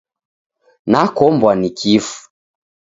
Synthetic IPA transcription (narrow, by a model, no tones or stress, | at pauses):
nakɔmbwanikʰifu̥